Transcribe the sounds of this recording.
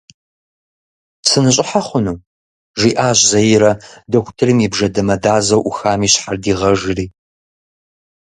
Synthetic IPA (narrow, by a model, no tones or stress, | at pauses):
sɨnɨɕʼɪħaχʷʊnuː | ʒiːʔaːʑzɐjɪɾɐdɐxʷʊ̥tʰɨrɨmibʒɐdɐmɐdaːzɐwʔuxaːmiːɕħardiːʁɐʒɪriː